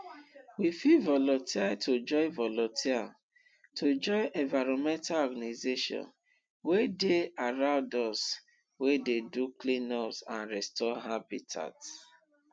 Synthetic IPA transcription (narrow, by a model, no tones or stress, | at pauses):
wifivɔlɔ̃ntitʰod͡ʒɔɪvɔlɔ̃ntʰia | tʰod͡ʒɔɪʔɛ̃vaɹɔ̃mɛ̃ntalɔɡanazeʃɔ̰̃n | wedeaɹãʊdɔs | wededuklĩnɔpsãnɹɛstɔɦabitʰa̰t